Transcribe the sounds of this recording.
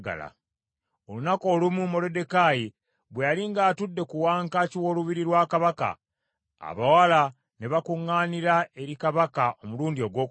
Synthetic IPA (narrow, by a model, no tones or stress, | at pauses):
ɡa̰la̰ | o̞lunako̞ːlumumo̞le̞de̞kaji | βwejaliŋɡaːtudːe̞kuwaːŋkaciwo̞luβiɾiɾwaːkaβaka̰ | a̰βawala | ne̞βakuŋːaːniɾae̞ɾikaβakaʔomuluːndio̞ɡwo̞ːk